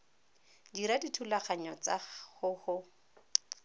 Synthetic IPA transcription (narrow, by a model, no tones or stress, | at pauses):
diɾaditʰulaχaɲɔt͡sahʊhʊ